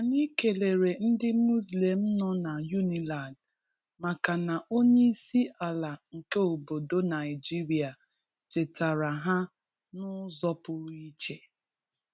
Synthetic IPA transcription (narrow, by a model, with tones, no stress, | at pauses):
a˨ni˦ke˨le˨ɾe˨n̩˦dɪ˦mu˦sle˨m̩˦nɔ˦na˨ju˦ni˨la˨nd | ma˨ka˨na˨ʔo˦ɲe˦i˦si˦a˨la˨ŋ̩˨ke˦o˨bo˨do˦na˨ɪ˨d͡ʒi˦ɾi˨a˨ | d͡ʒe˨ta˨ɾa˨ɦa˦ | nʊ˦zɔ˦pʊ˦ɾi˦t͡ʃe˦